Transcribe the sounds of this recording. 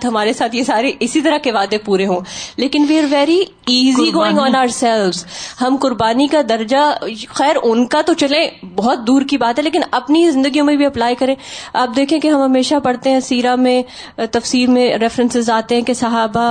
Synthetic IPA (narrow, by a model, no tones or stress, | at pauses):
t̪ɦɐmaːɾesaːt̪ʰjesaːɾeʔɪsit̪ɐɾakeʋaːd̪epuːɾeɦõːleːkɪnʋiːɐɾʋɛːɾi | iːziɡoːɪ̃ŋɡɔ̃ːnaːəɾsɛlʋzhɐmkʊɾbaːnikad̪ɐɾd͡ʒaxɛːɾʔʊnkat̪ot͡ʃɐlẽbɔɦɔt̪̚d̪uːɾkibaːt̪ɦɛleːk̬ɪnɐpnizɪ̃nd̪əɡijõmẽbʱiɐplaːikɐɾẽːaːp̚d̪eːkʰẽkeɦɐ̃mɦɐmeːʃapɐɽt̪eɦɛ̃siːɾamẽ | t̪ɐfsiːɾmẽɾɛːfɾɛ̃nsɪzaːt̪eɦɛ̃kesɐɦaːba